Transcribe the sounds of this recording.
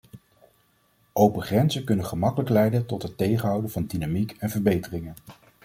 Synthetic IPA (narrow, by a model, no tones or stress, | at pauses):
ʔowpəχrɛnzəkɵnənχəmɑkələklɛjdəntɔtɦətejχənɦʌwdəvɑndinamikɛnvəɹbejtərɪŋən